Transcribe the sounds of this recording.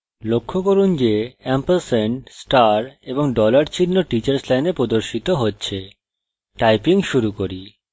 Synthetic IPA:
lokʰːokoɾund͡ʑeɛmpelseɳsʈaɾeboŋɖɔlaɾt͡ɕʰinːoʈit͡ɕaɾslajnepɾod̪oɾʃit̪oɦotːɕʰe | ʈajpiŋʃuɾukoɾi

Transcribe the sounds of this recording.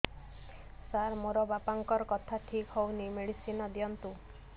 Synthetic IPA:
saɾmoɾɔbapaŋkɔɾɔkɔt̪ʰaʈʰikɦownimeɽisinɔd̪jɔnt̪u

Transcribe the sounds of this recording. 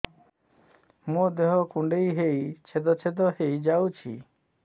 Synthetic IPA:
mud̪eɦɔkuɳɖejɦejt͡ʃʰed̪ɔt͡ʃʰed̪ɔhejd͡ʒawt͡ʃʰḭ

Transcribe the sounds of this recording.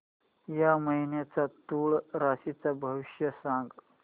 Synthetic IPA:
jaməɦinjat͡sat̪uːɭɾasit͡sabʱəʋiɕjəsãŋɡ

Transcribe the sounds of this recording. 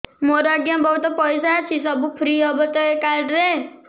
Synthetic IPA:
moɾaɡjãbəɦut̪ɔpɔjsat͡ʃʰis̬ɔbupʰɾiːɔbət̪ɔekaɾɖɾe

